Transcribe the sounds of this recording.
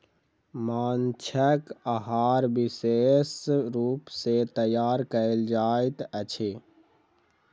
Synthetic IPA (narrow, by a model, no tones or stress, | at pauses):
maːnt͡ʃʰəkəɦaːɾbɪsesɾuːpset̪əjaːɾkəeld͡ʒaːjt̪ət͡ʃʰe